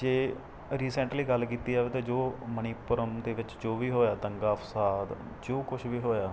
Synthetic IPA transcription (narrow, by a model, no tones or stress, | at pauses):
d͡ʒeː | ɾiːsɛ̃ɳʈliːɡəlkiːt̪iːaːʋeːt̪ãːd͡ʒoːməniːpʊɾəmd̪eːʋɪt͡ʃd͡ʒoːʋiːɦoːjaːd̪əŋɡaːəpsaːd̪ | d͡ʒoːkʊt͡ʃʰʋiːɦoːjaː